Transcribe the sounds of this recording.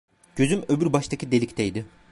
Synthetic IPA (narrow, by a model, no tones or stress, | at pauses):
ɟ̥ø̞zymøbyɾbaʃt̪ʰacʰid̪e̞lʲict̪ʰejd̪ɪ